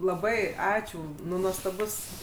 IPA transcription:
lˠɐˈbɐɪ ˈɑːt͡ʃʲuː ˈnʊ nuɔstɐˈbʊs

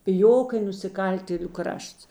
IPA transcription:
pʲɪˈjoːk ɪ nʊsʲɪˈkɐlʲtʲeːlʲʊ ˈkrɐʃts

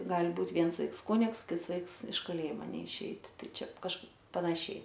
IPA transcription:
ˈɡɐlʲ ˈbuːtʲ ˈʋʲiɛns ˈʋɐɪks ˈkʊnʲɪks ˈkʲɪts ˈʋɐɪks ɪʃ kɐˈlʲeːjɪmoː nʲɛɪˈʃʲɛɪt ˈtɐɪ ˈt͡ʃʲɛ kɐʃ pɐnɐˈʃʲɛɪ

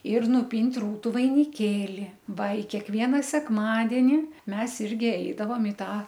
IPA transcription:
ɪr nʊˈpʲiːnʲtʲ ˈruːtʊ ʋɐɪnʲɪˈkʲeːlʲɪ ˈʋɐ ɪ kʲɛkˈʋʲiɛnɐ sʲɛkˈmɑːdʲɛnʲɪ ˈmʲɛs ˈɪrʲɡʲɪ ˈɛɪdɐʋoːm ɪ ˈtɑː

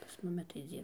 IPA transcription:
pɐs ˈmʊmʲɪ tɐɪ ˈd͡zʲiːr

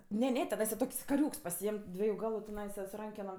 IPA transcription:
ˈnʲɛ ˈnʲɛ tʲɛˈnɐɪsɐ ˈtoːkʲsʲ kɐˈrʲuːks pɐˈsʲɪeːmʲ ˈdʲʋʲiɛjʊ ˈɡɑːlˠʊ tʲɪˈnɐɪsɐ sʊ ˈrɐŋʲkʲɛnoːm

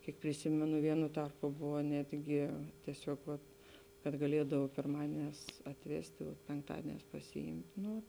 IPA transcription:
ˈkʲiɛk pʲrʲɪˈsʲɪmʲɛnʊ ˈʋʲiɛnʊ ˈtɐrpʊ ˈbʊʋoː ˈnʲæːdʲɡʲɪ tʲiɛˈsʲoːk ʋɐt kɐt ɡɐˈlʲiɛdɐw pʲɪrˈmɑːdʲiɛnʲɛːs ɐtʲˈʋʲæːsʲtʲɪ oː pʲɛŋkˈtɑːdʲiɛnʲɛːs pɐsʲɪˈɪmʲtʲ ˈnʊ

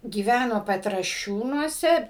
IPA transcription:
ɡʲiːˈʋʲænoː pʲɛtrɐˈʃʲuːnuɔsʲɛ

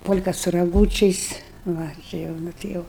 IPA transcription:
ˈpoːlʲkɑː sʊ rɐˈɡuːt͡ʃʲɛɪs ˈʋɐ ˈt͡ʃʲɪ jɛʊ ˈnʊ tʲɪ ˈjɛʊ

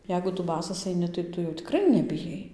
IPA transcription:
ˈjɛɪɡʊ ˈtʊ ˈbɑːsɐs ɐɪˈnʲɪ tɐɪ ˈtʊ jɛʊ tʲɪˈkrɐɪ nʲɛbʲɪˈjɛɪ

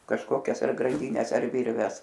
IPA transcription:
kɐʃˈkoːkʲɛs ɐr ɡrɐnʲˈdʲiːnʲɛs ɐr ˈʋʲɪrʲʋʲɛs

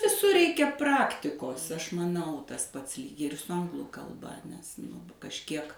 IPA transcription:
ʋʲɪˈsʊr ˈrʲɛɪkʲɛ ˈprɑːktʲɪkoːs ˈɐʃ mɐˈnɐʊ ˈtɐs ˈpɐts lʲiːk ɪr sʊ ˈɐŋɡlˠʊ kɐlˠˈbɐ nʲɛs ˈnʊ kɐʃʲˈkʲiɛk

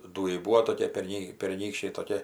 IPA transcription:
ˈduːjɛɪ ˈbuːʋoː toːˈkʲiɛ pʲɛrʲˈnʲiː pʲɛrʲˈnʲiːkʃʲt͡ʃʲɛɪ toːˈkʲiɛ

